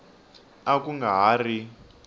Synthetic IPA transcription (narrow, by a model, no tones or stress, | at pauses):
akuŋɡaɦari